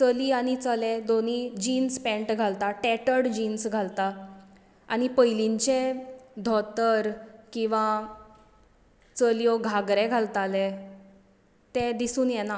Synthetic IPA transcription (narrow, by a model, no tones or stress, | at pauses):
t͡səliːaɽ̃it͡səlɛd̪oniːd͡ʑiːnspɛ̃ɳʈɡʱalt̪aʈɛʈəɽd͡ʑiːnsɡʱalt̪a | aɽ̃ipəjliɲt͡ɕɛd̪ʱɔt̪əɾkĩw̃ʋa | t͡səljɔɡʱaɡɾɛɡʱalt̪alɛ | t̪ɛ̃d̪isuːnjɛna